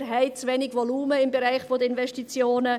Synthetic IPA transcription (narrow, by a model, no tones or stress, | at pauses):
ɦɛɪt͡svɛnɪɡvɔluːməɪmbɛɾaɪχfod̪əɪnvɛʃtit͡sjoːnə